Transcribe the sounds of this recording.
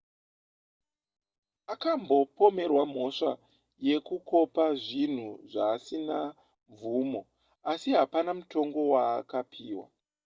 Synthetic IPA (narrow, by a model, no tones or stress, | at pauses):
akambo̞po̞me̞rwam̤o̞ʂa | je̞kuko̞paʐin̤uʐaːsina | ɱvumo̞ | asiɦapanamuto̞ŋɡo̞waːkapʰiːwa̰